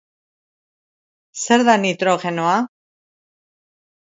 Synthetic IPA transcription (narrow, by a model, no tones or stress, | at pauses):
seɾðanit̪ɾoɣenoa